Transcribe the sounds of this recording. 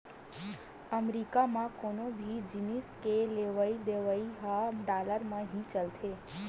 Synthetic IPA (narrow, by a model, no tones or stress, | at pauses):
əmɾikamãkonobʱid͡ʒiniskeleʋaid̪eʋaiɦaɖaləɾmãɦĩt͡ʃəlt̪ʰe